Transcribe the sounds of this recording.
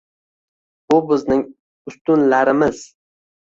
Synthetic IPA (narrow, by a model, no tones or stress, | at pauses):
bʊbɪznɪŋ | ʊst̪ʊnlaɾɪmɪz̥